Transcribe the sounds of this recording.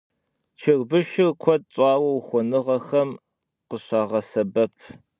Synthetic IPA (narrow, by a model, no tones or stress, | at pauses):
t͡ʃʰɪrbɨʃɪrkʷʰɔt̚ɕʼɑːwɐwxʷɔnɨʁɐxɐm | qəɕɑːʁɐsɐbɐpʰ